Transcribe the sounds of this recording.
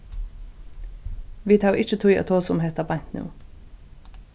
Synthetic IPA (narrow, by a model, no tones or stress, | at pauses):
ʋiːt̪ʰɑːʔɪt͡ʃət̪ʰuʏɑ̰ːt̪ʰoːsɔmheːt̪ɑːbæŋt̪nʉ̰ː